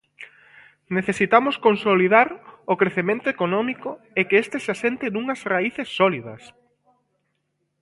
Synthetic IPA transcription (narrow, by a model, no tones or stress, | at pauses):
neθesit̪amʊskonsoliðaɾʊkɾeθemẽnt̪ʊekonɔmikʊ | ekeest̪eseasent̪enuŋɐsraiθesːɔliðɐs